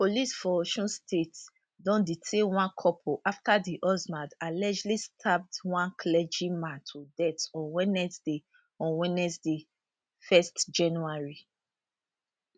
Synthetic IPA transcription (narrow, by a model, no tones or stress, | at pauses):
polisfɔʃɔ̃nstʰet | dɔ̃nditʰewãnkʰɔpʰoʔaftadiʔɔzmadalɛd͡ʒlistʰap̚dwãnkʰlɛd͡ʒĩmãtʰudɛtɔ̃nwɛnɛsde | ɔ̃nwɛnɛsde | fɛstd͡ʒãnuaɹi